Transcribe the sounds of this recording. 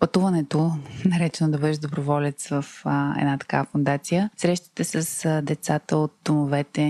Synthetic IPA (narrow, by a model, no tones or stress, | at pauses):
pɐt̪uvɐnɛt̪onɐɾɛt͡ʃɛnod̪ɐbɤd̪ɛʒd̪obɾovɔlɛt̪svəfəɛ̰d̪nat̪ɐ̥ka̰vəfond̪at̪sijəsɾɛʃt̪i̥t̪ɛsəsd̪ɛt̪sat̪əot̪̚d̪omovɛt̪ɛ